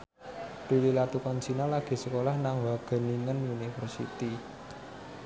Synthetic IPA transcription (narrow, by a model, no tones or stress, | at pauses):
rulilat̪ukɔnt͡ʃinɔlaɡ̥i̤səkolahnaŋwaɡ̥ə̤niŋənunifərsḭt̪i